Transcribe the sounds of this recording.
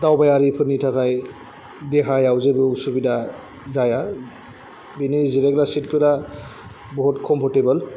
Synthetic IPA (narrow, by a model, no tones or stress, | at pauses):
dawbajaɾipʰɯɾnitʰakaj | deɦajawzebɯusubida | zaja | biniziɾeɡɾasit̚pʰɯɾa | bɔɦutkʰɔmpʰɔɾtebɯl